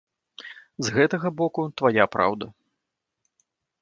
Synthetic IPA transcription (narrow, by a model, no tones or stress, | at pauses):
zɣɛt̪ɐɣɐbɔkut̪vajapɾa̰wd̪ɐ